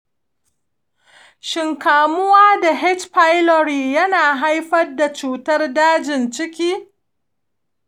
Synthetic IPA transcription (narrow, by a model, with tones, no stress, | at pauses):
ʃɪ˨ŋkaː˨mʊ˦waː˦da˨ɦɛ˦t͡ʃɸa˦jlɔ˨ɾiː˨jɐ˦naː˨ɦa˦jɸɐ˦da˨t͡ʃuː˦tɐ˦rdaː˦d͡ʒɪ˨nt͡ʃɪ˦kʲiː˦